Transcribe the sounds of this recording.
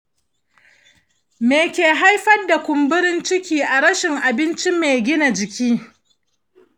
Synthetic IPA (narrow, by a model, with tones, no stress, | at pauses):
meː˨kʲeː˨ɦa˦jɸɐ˦rda˨kʷʊ˨mbʊ˦ɾɪ˦nt͡ʃɪ˦kʲiː˦ʔa˨ɾɐ˦ʃɪ˨ŋʔa˨bɪ˦nt͡ʃi˦meː˨ɡʲɪ˦na˨d͡ʒɪ˨kʲiː˦